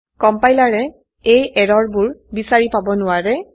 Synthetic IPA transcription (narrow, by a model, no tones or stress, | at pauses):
kɔmpajlaɹɛ | ejɛɹɔɹbuɹbisaɹipabɔnʊwaɹɛ